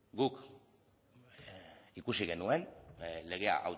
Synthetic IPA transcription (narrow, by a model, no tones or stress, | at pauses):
ɡuk | ikusiɣe̞nue̞nle̞ɣ̞e̞a̰ʔa̰w